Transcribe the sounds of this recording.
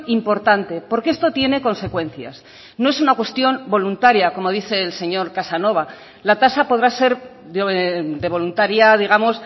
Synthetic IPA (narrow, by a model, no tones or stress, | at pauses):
impo̞ɾt̪ant̪e̞po̞ɾkee̞st̪o̞t̪je̞ne̞ko̞nse̞kwẽ̞n̟θja̰s | no̞e̞sunakwe̞st̪jo̞mbo̞lunt̪aɾjako̞mo̞ðiθe̞ːlse̞ɲo̞ɾkasano̞β̞a | lat̪asapo̞ð̞ɾase̞ɾ | d̪e̞β̞o̞lunt̪aɾjaðiɣamo̞s